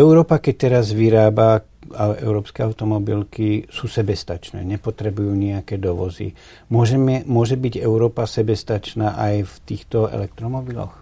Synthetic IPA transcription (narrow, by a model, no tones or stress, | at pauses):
ɛʊɾɔːpakɛc̚t̪ɛɾazʋiɾaːba | aɛʊɾɔːpskɛːaʊt̪ɔmɔbilkisuːsɛbɛst̪at͡ʃnɛ̰ːɲɛpɔt̪ɾɛbujuːɲiakɛːd̪ɔʋɔzḭ | mɔʒɛmmʊɔʒɛbiɟɛʊɾɔːpasɛbɛst̪at͡ʃnaːʔajft̪iːxt̪ɔɛ̰lɛk̚t̪ɾɔmɔbilɔ̰x